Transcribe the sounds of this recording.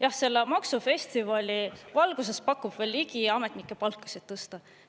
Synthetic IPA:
jɑhse̞lːemɑksufe̞st̪ivɑlʲivɑlɡ̥us̬e̞spɑkːˑub̥ve̞ːlːiɡ̥iɑme̞t̪nikːˑe̞pɑlkːˑɑ̥sit̪ːɤst̪ɑ

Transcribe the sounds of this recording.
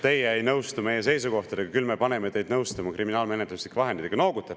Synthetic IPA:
t̪e̞jeejnɤwst̪ume̞jːe̞se̞jsuko̞ht̪ɑd̪̥e̞ɡ̥ɑkylme̞pɑne̞me̞t̪e̞jd̪nɤwst̪ɑmɑkrʔiminɑːlme̞net̪luslikːɑɦend̪id̪eɡ̥ɑno̞ːɡut̪ːe

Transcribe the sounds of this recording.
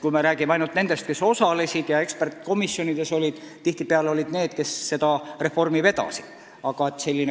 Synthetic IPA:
kujmeɾæːɡ̥imeɑjnult̪ne̞nd̪est̪ke̞so̞sɑle̞sʲid̪̥jɑe̞kspe̞rt̪ˑko̞misːjo̞nid̪̥e̞so̞lʲid̪̥ | t̪iht̪ipeɑleo̞lʲid̪̥ne̞ːd̪̥ke̞sːe̞d̪̥ɑre̞fo̞rmive̞d̪ɑ̰si̥d̪̥ | ɑɡ̥ɑe̞t̪ːˑse̞lʲːine

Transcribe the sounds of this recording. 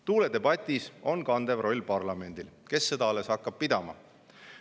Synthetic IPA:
t̪uːled̪e̞bɑt̪ʲːˑiso̞nkɑnd̪e̞vro̞lʲpɑrlɑme̞nd̪ilke̞sːe̞d̪ɑɑle̞shɑkːˑɑb̥̚pid̪ɑmɑ

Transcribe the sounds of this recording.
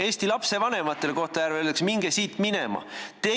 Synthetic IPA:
e̞ːsʲt̪ilɑpse̞vɑne̞mɑt̪ːˑe̞leko̞ht̪ɑjæɾvelːeksmiŋɡ̥esiːt̪ˑminemɑ̰t̪e

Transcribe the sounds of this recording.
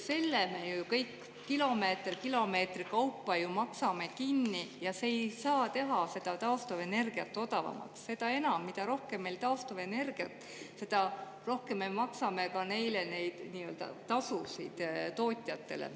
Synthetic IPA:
se̞lːeme̞jujukɤjkː | kilo̞me̞ːt̪rkilo̞me̞ːt̪rikɑwpˑːɑjumɑksɑme̞kinːijɑseːjsɑːt̪e̞ɦɑse̞d̪̥ɑt̪ɑost̪ove̞ne̞rɡ̥iɑt̪ːˑo̞t̪ɑvɑ̰mɑ̰ksːe̞d̪̥ɑe̞nɑmːid̪̥ɑɾo̞hkemːe̞jlt̪ɑost̪ove̞ne̞rɡ̥iɑt̪ːˑ | se̞d̪̥ɑ | ro̞hke̞mːemɑksɑme̞kɑne̞jlene̞jd̪̥niːø̞ld̪ɑ̰t̪ɑsusḭd̪̥t̪o̞ːt̪ʲˑjɑt̪ːe̞̰lḛ

